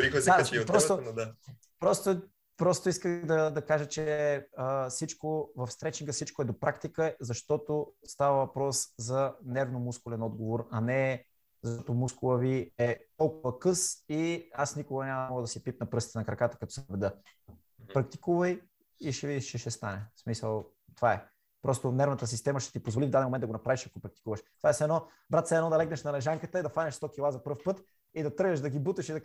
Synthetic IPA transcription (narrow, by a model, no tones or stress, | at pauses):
ɾixsd̪aipɾɔst̪od̪a | pɾɔst̪o | pɾɔst̪oiskəɣd̪ɐd̪ɐkaʒət͡ʃɛəsit͡ʃkovɐfst̪ɾɛt͡ʃ̪ikəsit͡ʃkoɛd̪opɾakt̪ikəzɐʃt̪ɔt̪ost̪avɐvɐpɾɔszɐnɛɾvnomuskʊlɛnɔd̪ɡovoɾɐnɛ | zɐʃtɔt̪omuskʊlˠəviɛt̪ɔlˠkʊvəkɤsiasnikʊɡɐnʲamɔɡəd̪ɐsipit̪̚nɐpɾɤəsit̪ɛnɐkɾɐkat̪ə̥kɐt̪ɔsɛɐbɛd̪ɤ | pɾɐk̚t̪i̥kuvɐj | iʃɛvid̪iʃt͡ʃɛʃɛst̪anɛsmisəlˠ | t̪ovaɛ | pɾɔst̪onɛɾvnət̪əs̬ist̪ɛməʃt̪ɛ̥t̪ipozvolivd̪ad̪ɛmomɛndɐɡonɐpɾaviʃɐkopɾɐk̚t̪i̥kuvəʃt̪ovaɛsɛnɔ | bɾat̪sɛːnɔd̪ɐlɛɡnɐʃnɐlɛʒaŋkət̪əid̪ɐfanʲɐʃst̪ɔkʲilˠazɐpɤɾfpɤt̪ | id̪ɐt̪ɤɾɡəʃd̪ɐɡibut̪əʃid̪ɐ